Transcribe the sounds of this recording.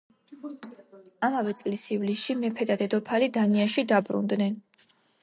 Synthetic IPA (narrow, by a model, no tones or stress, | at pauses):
amavɛt̪sʼlisivlisʃimɛpʰɛd̪ad̪ɛd̪ɔpʰalid̪aniaʃid̪abɾṵnd̪nɛn